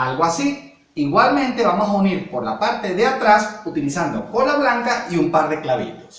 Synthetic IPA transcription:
alɣoasi | iɣwalmẽ̞nt̪e̞βamosauniɾpo̞ɾlapaɾt̪e̞ðeat̪ɾasut̪ilisand̪oko̞laβlaŋkaiumpaɾðe̞klaβḭt̪o̞̥s

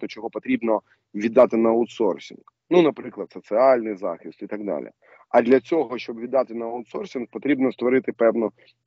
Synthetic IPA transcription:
t̪ɔt͡ʃɔɦɔpɔt̪ɾʲibnɔ | ʋʲid̪ːɑt̪ɪnɐɔʊt̪sɔrsʲḭnɡ | nunɐpɾɪklˠɐd̪sɔt̪sɪɑlʲnɪjzɑ̰xɪst̪it̪ɐɡ̚d̪ɑ̰lʲɪ̰ | ɐd̪lʲɐt͡sʲɔɦɔʃt͡ʃɔbʋʲid̪ːɑt̪ɪnɐɐʊt̪sɔrsʲink̚pɔt̪ɾʲibnɔst̪ʋɔɾɪt̪ɪpɛwnɔ

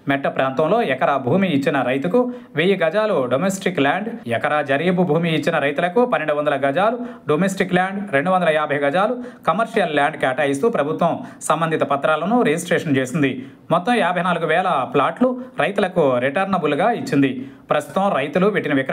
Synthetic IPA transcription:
mɛʈːɐpɾaːnt̪ɐmlo̞ːɛkɐɾabʱuːmiːt͡ʃːinɐɾɐjt̪uku | ʋejiɡɐd͡ʒaːluɖomesʈikːlaːɳɖɛkɐɾaːd͡ʒɐɾiːbubʱuːmiːt͡ʃːinɐɾɐjt̪ulɐkupɐnːeɳɖuʋɐnd̪ɐlɐɡɐd͡ʒaːluɖomesʈiklaːɳɖɾeɳɖuʋɐnd̪ɐlɐjaːbʱɐjɡɐd͡ʒaːlukɐmɐɾʂijɐlːaːɳɖkaːʈaːjist̪uːpɾɐbʱut̪ʋɐmsɐmbɐnd̪ʱit̪ɐpɐt̪ːɾaːlɐnuɾed͡ʒisʈɾeːʂɐnt͡ʃeːsind̪i | mɔt̪ːɐmaːbʱɐjnaːluɡuʋɛːlɐplaːʈluɾɐjt̪ulɐkuɾiʈɐɾnɐbuluɡaːit͡ʃːind̪ipɾɐst̪u̥t̪ɐmɾɐjt̪uluʋeʈːinɐʋik

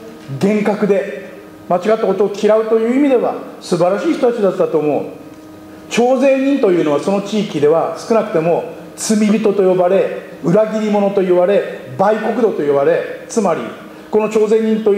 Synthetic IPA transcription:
ɡẽ̞ŋkakɯ̟d̪e̞ | mat͡ɕiɡat̪ːako̞t̪o̞ːkʲʰiɾaɯ̟t̪o̞jɯ̟ːimʲid̪e̞βa̰sɨbaɾaɕiːçi̥t̪o̞t̪at͡ɕid̪at͡ɕd̪at̪o̞ːmo̞ɯ̰ | t͡ɕo̞ːzẽ̞ɲɲ̟ĩnt̪o̞jɯ̟ːno̞βaso̞no̞t͡ɕiːkʲid̪e̞βasɨ̥kɯ̟nakɯ̟̥t̪e̞mo̞ | t͡sɨmʲibʲit̪o̞t̪o̞jo̞baɾe̞ | ɯ̟ɾaɡʲiɾʲimo̞no̞t̪o̞jɯβaɾe̞baiko̞kɯ̟d̪o̞t̪o̞jɯβaɾe̞t͡sɨmaɾʲḭ | ko̞no̞t͡ɕo̞ːzẽ̞ɲ̟ːĩnt̪o̞

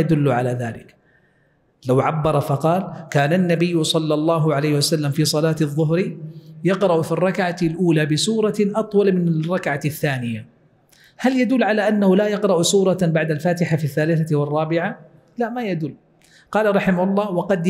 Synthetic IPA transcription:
ad̪ʊlːʕalaðaːlɪk | lawʕabːɑɾˤɑfɑqɑːlkaːnanːabɪjːʊsˤɑlːɑlˤːɑːɦʊʕalejhɪwasalːamfiːsˤɑlaːt̪ɪðˤːʊɦɾijɑqɾˤɑʔfirˤːɑkʕalʔuːlabɪsuːɾˤɑʔɑt̪ˤwɑlmɪnrˤːɑkʕaθːaːnɪja | haljad̪ʊlːʕalaʔanːahʊlaːjɑqɾˤɑʔsuːɾˤɑbaʕd̪alfaːt̪ɪħafiθːaːlɪθawɪrˤːɑːbɪʕa | laʔmajad̪ʊlː | qɑːlaɾˤɑħɪmahʊlˤːɑːwɑqɑd̪

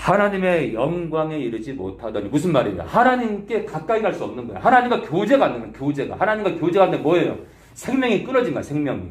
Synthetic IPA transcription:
hanaɲime̞jʌŋɡwaŋe̞iɾɯd͡ʑimo̰tʰadʌɲimusʰɯnmaɾidḛjo̰hanaɲimk͈e̞kak̚k͈aiɡaɭs͈uʌmnɯnɡʌj̰o̰hanaɲimɡakjod͡ʑe̞ɡanːɯmʌkjod͡ʑe̞ɡa̰hanaɲimɡakjod͡ʑeɡanemwʌejo̰ | sʰe̞ŋmjʌŋik͈ɯɾʌd͡ʑinɡa̰sʰe̞ŋmjʌŋḭ

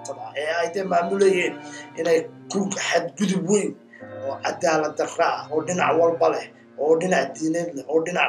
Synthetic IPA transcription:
t̪ʰɐbaːɛhɛjd̪ɛjmaːmʊlɛjɛːnʔɪnɛjkʰʊlɡħad̪ɡʊðʊbwɛn | ɔːʕɑd̪aːlɐd̪ɐrɐʔɔːɖɪnɑʕwɑlbɐlɛh | ʔɔːɖɪnɑʕd̪iːnɐd̪lɛʔɔːɖɪnɑʕ

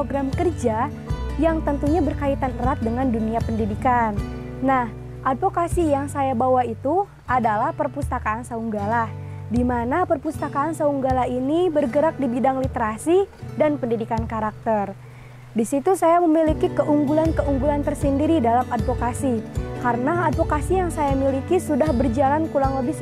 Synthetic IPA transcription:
pɾoɡɾamkərd͡ʒa | jaŋt̪ənt̪uɲabərkait̪anərat̪̚dəŋanduniapəndidikanː | ah | ʔadfokasijaŋsajabawait̪u | ʔadalahpərpust̪akaːnsauŋɡalah | dimanapərpust̪akaːnsauŋɡalaɦinibərɡəɾak̚dibidaŋlit̪əɾasidanpəndidikankaɾak̚t̪ər | disit̪usajaməmilikikəʔuŋɡulankəuŋɡulant̪ərsəndiɾidalamad̚fokasikaɾənaadfokasijaŋsajamilikisudahbərd͡ʒalankulaŋləbɪ

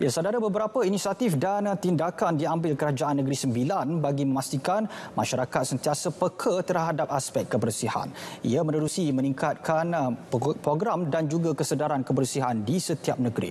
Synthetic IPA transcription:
jasadaɾabəbəɾapəinisiat̪ifdant̪indakandiambɪlkəɾad͡ʒaʔanːəɡɾisəmbilanbaɡimə̃mast̪ikanma̰ʃaɾakat̪̚sənt̪iasəpəkʰət̪ərɦadap̚aspɛk̚t̪̚kːəbərsiha̰nʔḭamə̃nəɾusiməniŋkat̪̚kʰanpɾoɡɾamdand͡ʒuɡakəsədaɾankəbərsiɦandisət̪iap̚nəɡɾḭ

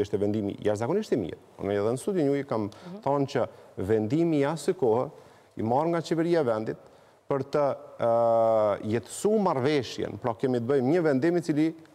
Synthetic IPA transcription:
iʃt̪ɛvɛnd̪imḭjaʃzakɔniʃt̪ɛmḭɾ | ṵnɛjɛðɛnəst̪ud̪jɔɲujkamθɔnt͡ɕəvɛnd̪imijasəkɔh | ḭmaɾŋɡat͡ɕɛvɛɾiaɛvɛnd̪it̪̚ | pəɾt̪ə | jɛt̪ə̥sumaɾvɛʃjɛ̰npɾɔkɛmit̪əbəjmɲəvɛnd̪imit͡sili

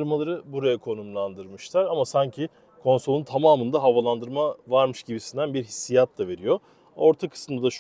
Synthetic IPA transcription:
ɯɾmalˠaɾɯbuɾajakʰo̞numlˠand̪ɯɾmɯʃlˠaɾamasaɲcʰɪ | kʰo̞nso̞lˠunt̪ʰamaːmɯnd̪aɦavalˠand̪ɯɾmavaɾmɯʃɟibisind̪ænbiɾɦisːijat̪lˠave̞ɾijo̞ | o̞ɾt̪ʰakʰɯ̥sɯmd̪ad̪aʃ

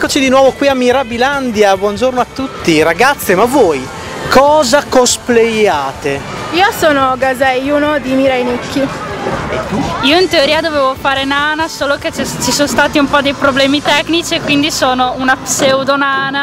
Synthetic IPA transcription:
ɛkːot͡ʃid̪inwɔːvokwiamːiɾabiland̪jabwɔnd͡ʒornoat̪ːut̪ːiɾaɡat̪sːemavɔːj | kɔːzakosplejaːt̪e | iːosoːnoɡazɛjunod̪imiɾajnikʰːiɛ̰t̪uiːoint̪eoɾiːad̪ovɛːvofaːɾenaːnasoːloket͡ʃt͡ʃisonst̪aːt̪iumpɔd̪ejpɾoblɛːmit̪ɛkːnit͡ʃiekːwind̪isoːnounapsewd̪onaːna

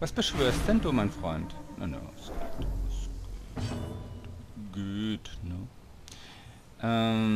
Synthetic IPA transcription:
vasb̥əʃv̥øːɐst̚d̥ɛnduːmaɪnfʁ̥ɔʏntno̰no̰ʊsɡ̥ḛts | ɡuøːtnə | ʔɛm

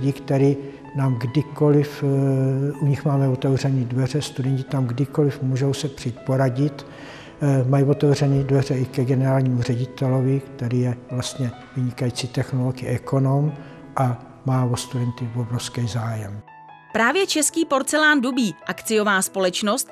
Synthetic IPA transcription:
ɟikt̪ɛɾiː | naːmɡdɪkolɪf | ʔuɲɪxmaːmɛvot̪ɛvrɛniːdvɛrɛst̪udɛɲcɪt̪amɡdɪko̞lɪfmuːʒowsɛpr̥it̪poɾaɟɪt̪ | majivot̪ɛvr̝ɛniːdvɛrɛɪkɛɡɛnɛɾaːlɲiːmurɛɟɪt̪ɛlovɪkt̪ɛɾiːjɛvlast̪ɲɛ | vɪɲɪkajiːt͡sit̪ɛxnoloɡɪɪʔɛko̞nom | ʔa | maːvost̪udɛnt̪ɪvobɾofskɛjzaːjɛm | pɾaːvjɛt͡ʃɛskiːpo̞ɾt͡sɛlaːndubiːʔakt͡sɪjo̞vaːspo̞lɛt͡ʃnost̪

